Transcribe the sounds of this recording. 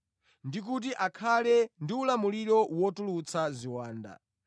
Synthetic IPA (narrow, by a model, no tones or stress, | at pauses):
ndik̬ut̬iʔakʰalɛndiulamuliɾɔwɔtulut͡sʰaziwaːnda̰